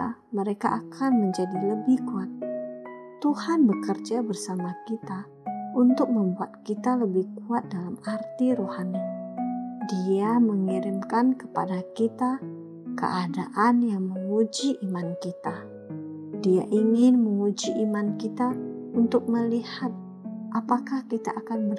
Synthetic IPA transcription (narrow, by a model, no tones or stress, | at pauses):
a | məɾeka̰ʔakʰanməɲd͡ʒadiləbɪhkuat̪̚ | t̪ːuhanbəkərd͡ʒabərsamakit̪a | unt̪ʊk̚məmbuat̪̚kit̪aləbɪhkuat̪̚dalamart̪iɾohani | diaməŋiɾɪmkankə̥padakit̪a | kə̰ʔadaʔanjaŋməŋud͡ʒiʔimankit̪a | diaʔiŋɪnməŋud͡ʒiʔimankit̪aunt̪ʊk̚məlihat̪̚ | ʔapakahkit̪a̰ʔakanbər